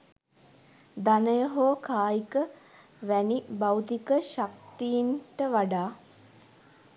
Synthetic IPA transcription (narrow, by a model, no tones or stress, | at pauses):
d̪anəjəɦoːkʰaːjikə | ʋænibawt̪ikəʃak̚t̪iinʈəʋaɖaː